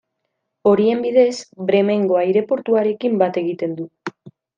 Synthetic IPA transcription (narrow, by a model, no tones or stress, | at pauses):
o̞ɾie̞mbið̞e̞sbɾe̞me̞ŋɡo̞ajɾe̞po̞ɾt̪uaɾe̞kimbat̪e̞ɣ̞it̪e̞nd̪u